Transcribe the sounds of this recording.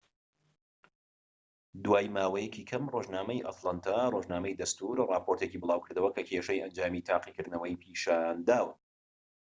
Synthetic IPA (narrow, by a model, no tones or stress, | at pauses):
d̪waːjmaːwɐjɛciːkʰɐmroʒnaːmɐjʔɐ̰t̪lˠant̪ʰaroʒnaːmɐjd̪ɐst̪uɾrɑːpoɾt̪ekiːbɨlˠaːwkʰɨɾd̪ɐwɐkʰɐkʰeʃɐjʔɐnd͡ʒaːmit̪ʰaːqikɨɾd̪nɐwɐjpʰiːʃaːnd̪aːwɨn